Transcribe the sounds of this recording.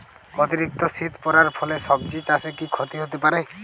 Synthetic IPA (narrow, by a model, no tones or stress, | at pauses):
ɔt̪iɾik̚t̪ɔsit̪pɔɾaɾpʰɔlesɔb̚d͡ʒit͡ʃasekikʰɔt̪iɦot̪epaɾe